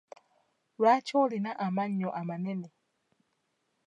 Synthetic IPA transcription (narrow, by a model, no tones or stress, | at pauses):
wat͡ʃɔlinaʔamaɲːɔʔamanɛnɛ